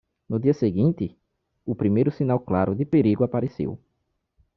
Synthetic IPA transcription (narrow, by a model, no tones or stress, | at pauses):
nʊd̪iɐseɡĩnt̪ɪ | ʊpɾimejɾʊsĩnawklaɾʊd̪ɪpeɾiɡʊapaɾesḛw